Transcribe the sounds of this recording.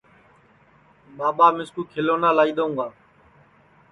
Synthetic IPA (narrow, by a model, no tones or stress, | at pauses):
ɓaːɓaːmɪskuːkʰɪloːnaːlaːiːɗ̪oũːɡaː